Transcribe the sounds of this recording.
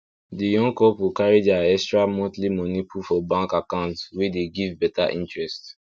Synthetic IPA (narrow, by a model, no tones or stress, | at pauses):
dijɔ̃ŋkɔpwikaɹid͡ʒaɛkstɹamɔ̃tlimɔnipʰufɔbãŋkakãʊ̃ntwedeɡivbɛtaʔĩntɹɛst